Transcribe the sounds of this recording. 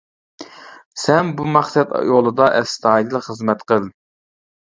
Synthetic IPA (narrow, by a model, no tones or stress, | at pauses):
sɛnbumɑχsɛt̪jolˠɨd̪ɑʔɛst̪ʰɑd̪ɨlˠχəzmɛt̪qʰəlˠ